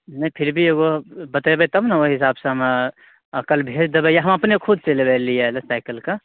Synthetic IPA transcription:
nɐipʰɪɾbʱieɡobət̪aebet̪ɐmnɐoɦɪs̬aːbsẽɦɐm | kɐlbʱeːd͡ʒd̪ebejaɦɐmɐpnekʰʊd̪̚t͡ʃelebeːlːielesaɪkəlka

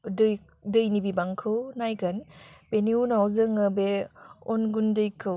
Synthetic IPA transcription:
dɯj | dɯjnibibaŋkʰɯwnajɡɐnb̥eniunawzɯŋəbeonɡundɯjkʰɯw

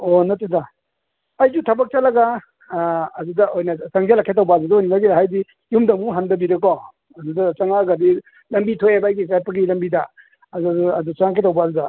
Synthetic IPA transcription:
onɐtida | ɐjzutʰɐbɐk̚t͡ʃalɐɡaː | dudɐʔojnɐsaŋzelakʰet̬awbaːd͡ʒudɐojninaɡidaɦajdi | jumdɐmuɦandɐbiɾekɔ | ɐdudɐt͡ʃaŋaɡɐdi | lɐmbitʰojebaːjɡikajpɐɡilɐmbidɐ | ɐuɐdusaŋakʰetawbazudɐ

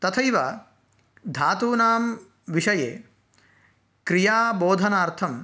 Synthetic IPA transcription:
t̪ɐt̪ʰɐjʋa | d̪ʱaːt̪uːnaːm | ʋiʃɐjḛː | kɾijaːboːd̪ʱɐnaːɾt̪ʰɐm

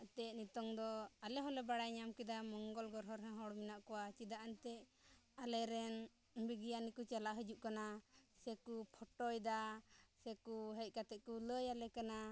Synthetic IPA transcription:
t̪ɛʔ̚nit̪ɔŋd̪ɔalɛɦɔlɛbaɽajɲamkid̪amɔŋɡɔlɡɔɾɦɔɾɦɛ̃ɦɔɽminaʔkɔwat͡ʃid̪aʔant̪ɛalɛɾɛn | biɡijanikut͡ʃalaʔɦəd͡ʒuʔkanasɛkupʰɔʈɔjd̪asɛkuɦɛc̚ˀkat̪ɛʔ̚kuləjalɛkana

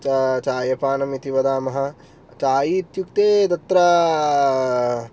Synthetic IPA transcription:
t͡ʃɐt͡ʃaːjɐpaːnɐmit̪iʋɐd̪aːmɐɦɐ̆ | t͡ʃaːjit̪jukt̪eːd̪ɐt̪ɾɐ

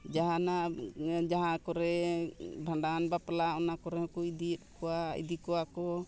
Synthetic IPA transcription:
d͡ʒaɦanad͡ʒaɦakɔɾɛ | bʱaɳɖanbaplaɔnakɔɾɛhɔ̃kuid̪it̚kɔwaḭd̪ikɔwakɔ

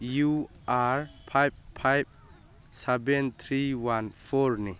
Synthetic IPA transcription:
ju | aɾpʰajb̚pʰajb̚ | sɛbɛnt̪ʰɾiwanpʰɔɾni

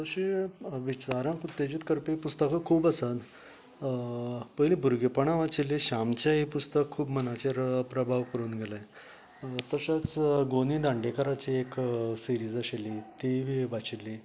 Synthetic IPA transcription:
t̪əɕiʋit͡ɕaɾãkut̪ːed͡ʑit̪kəɾpipust̪əkəkʰuːbəsat̪ | pəɦlibʱuɾɡepəɳãʋat͡ɕilːiɕamt͡ɕjaɦipust̪əkʰːuːbmənat͡ɕeɾpɾəbʱaʋkəɾuːnɡʱelaj | t̪əɕat͡sɡoniːd̪ãɳɖekaɾat͡ɕieksiɾiːd͡zaɕelit̪iʋiʋat͡ɕilːi

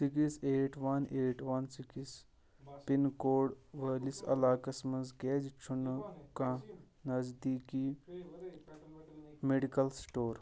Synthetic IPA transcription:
sikiseːʈʋɐneːʈʋɐnsikis | pinkoːɽʋəːlisɐ̰laːkɐsmɐzɡɛːd͡ʒt͡ʃʰunkã | nɐzd̪iːki | meɖikɐlsʈoːɾ

